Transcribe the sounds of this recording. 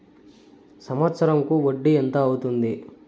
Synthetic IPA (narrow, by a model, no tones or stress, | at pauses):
sɐmʋɐt̪sɐɾɐŋkuʋoɖːient̪ɐːwut̪und̪i